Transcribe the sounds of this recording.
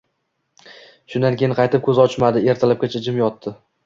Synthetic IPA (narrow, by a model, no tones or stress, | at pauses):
ʃʊnd̪ankʲejɪnqʰɑjt̪ɪp̚kʰʲɵzɒt͡ʃmad̪ɪe̞ɾt̪ʰalap̚kʲat͡ʃʰad͡ʒɪmjɒt̪ʰːɪ